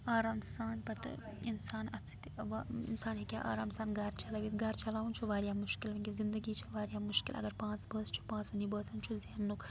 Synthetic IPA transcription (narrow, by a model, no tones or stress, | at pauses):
aːɾaːmsaːnpɐt̪insaːnɐt͡sʰit̪ʋḭnsaːnɦikʲaʔa̰ːɾaːmsaːnɡɐɾt͡ʃɐlaʋit̪ɡɐɾt͡ʃɐlaːʋunt͡ʃʰuʋaːɾjaːmʊʃkilʋɐŋkʲizind̪əɡiːt͡ʃʰiʋaːɾjaːmʊʃkḭlɐ̰ɡɐɾpãːt͡sbəːst͡ʃʰu̥pãːt͡sʋɐnibəːsɐnt͡ʃʰuzeːnːuk